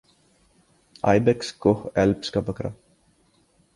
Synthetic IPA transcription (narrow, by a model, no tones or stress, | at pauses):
a̰jbɛkskohɛlpskabəkɾa̰